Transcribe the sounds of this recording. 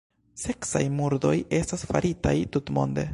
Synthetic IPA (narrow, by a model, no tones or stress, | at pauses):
se̞ksajmuɾdo̞je̞stasfaɾitajtutmo̞̰nde̞̰